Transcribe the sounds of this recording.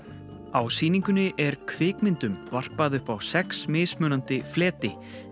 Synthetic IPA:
awsiːniŋkʏnːɪʔɛɾkʰvɪːkmɪnt̪ʏmvar̥paðʏhpawsɛksmɪːðsmœːnant̪ɪflɛːt̪ɪ

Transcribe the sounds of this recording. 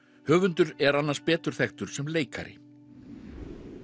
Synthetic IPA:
hœːɣvʏnt̪ʏɾɛɾanːaɾspɛːt̪ʏɾ̥θɛxt̪ʏɾ̥sɛmleːjka̰ɾɪ̰

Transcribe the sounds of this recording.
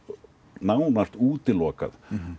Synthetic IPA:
naːwnast̪uːt̪ɪlɔːka̰ð

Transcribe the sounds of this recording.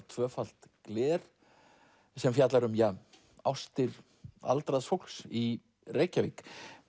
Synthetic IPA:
t̪ʰvœːfal̥t̪klɛːɾ̥ | sɛmfjat̪laɾʏmja | a̰wst̪ɪɾ | a̰lt̪ɾaðsfowl̥ksi | reːjcavik

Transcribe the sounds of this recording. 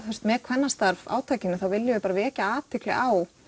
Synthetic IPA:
œst̪mɛːkʰv̥ɛnːast̪aɾva̰ːwt̪ʰaːjcɪnːʏθawvɪlːjɪvɪpaːɾavɛːcaaːt̪ʰɪklɪ̰ʔaːw

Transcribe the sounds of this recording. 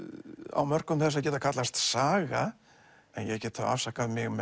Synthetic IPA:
a̰wmœr̥kʏmθɛs̬acɛːt̪akʰat̪last̪saːɣa | ɛnjɛcɛːt̪ʰaa̰fsakaðmɪɣmɛ

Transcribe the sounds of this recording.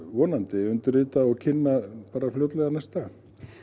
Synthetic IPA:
vɔːnant̪ɪʏnt̪ʏrɪːt̪aɔɣcʰɪnːapaːɾafljowt̪lɛɣanɛjst̪a

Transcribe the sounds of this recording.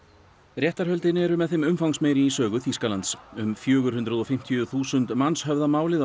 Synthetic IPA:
rjɛht̪aɾ̥ɦœlt̪ɪnɪɛɾʏmɛðθɪmʏmfawŋsmeːjɾɪisœːɣʏθiskalant̪sʏmfjœːɣʏɾ̥hʏnt̪ɾʏðɔfɪm̥t̪ʰijʏθuːsʏnt̪manshœvðamaːwlɪð

